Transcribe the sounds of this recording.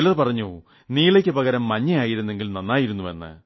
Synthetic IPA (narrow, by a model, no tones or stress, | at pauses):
lɐðpɐrɐɲːu | niːɭekʲːɨpɐɣɐɾɐmːɐɲːɐjaːjiɾunːe̞ŋɡilnɐnːaːjiɾunːuʋe̞̰nːɨ̰